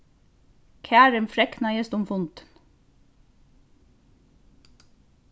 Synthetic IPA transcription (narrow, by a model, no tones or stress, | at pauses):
kʰæːɾəmfɾɛknɑjɛst̪ʊmfʊnt̪ə̥n